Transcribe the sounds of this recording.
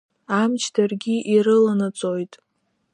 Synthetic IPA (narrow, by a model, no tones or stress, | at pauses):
amt͡ʃʰdʰarɡʲiʔiɾɨlanat͡sʼojtʼ